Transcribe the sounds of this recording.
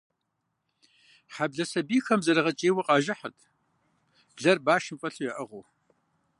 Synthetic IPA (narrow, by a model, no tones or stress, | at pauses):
ħabɮɐsɐbiːxɐmzɐɾɐʁɐt͡ʃʼeːwɐqʼɑːʒɐħə̰tʰ | ɮɐrbaːʃɪmfʼɐɬujɛʔɐʁow